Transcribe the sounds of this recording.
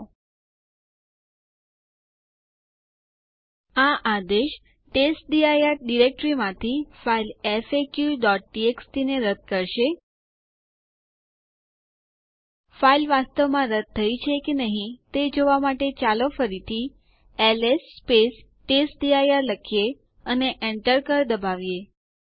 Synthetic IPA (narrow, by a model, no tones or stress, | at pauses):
aʔad̪eʃ | ʈesʈ̚ɖiajaɾɖiɾek̚ʈɾimãt̪ʰifailefekjuɖɔʈ̚ʈiekst̪ineɾəd̪̚ʱkəɾʃe | failʋast̪əʋmãɾəd̪̚t̪ʰːəit͡ʃʰekenəɦĩt̪ed͡ʒoʋamaʈet͡ʃalofəɾit̪ʰi | elesːpes | ʈesʈɖiajaɾləkʰije | əneʔeɳʈəɾkəɾd̪əbaʋje